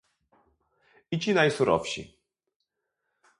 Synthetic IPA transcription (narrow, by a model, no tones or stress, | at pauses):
it͡ɕinajsuɾɔ̰fɕḭ